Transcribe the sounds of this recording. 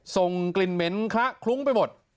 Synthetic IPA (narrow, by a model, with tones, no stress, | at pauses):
so˨˩ŋkli˨˧˩nme˨˦˥nkʰla˦˥ʔkʰlu˦˥ŋpa˧jmo˨˩t̪̚